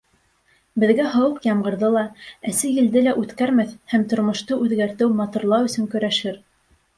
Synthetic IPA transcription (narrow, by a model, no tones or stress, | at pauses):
bɘ̆ðɡæɦɤwɤqjɑmɢɤ̆ɾðɤlˠɑæsɘjɘ̆ld̪ɘlæʔʉt̪kæɾmæθhæmt̪ŏɾmŏʃt̪ɤʔʉðɡæɾt̪ɘwmɑt̪uɾlˠɑwɵ̆sɵ̆ŋkɵ̆ɾæʃɘɾ